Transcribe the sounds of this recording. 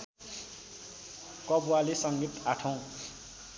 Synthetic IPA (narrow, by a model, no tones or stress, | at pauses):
kʌbualesʌŋɡit̪aʈʰʌw̃